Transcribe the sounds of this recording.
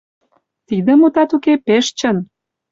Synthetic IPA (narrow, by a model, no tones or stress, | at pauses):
t̪id̪ə̆mut̪ɑt̪ukepeʃt͡ɕən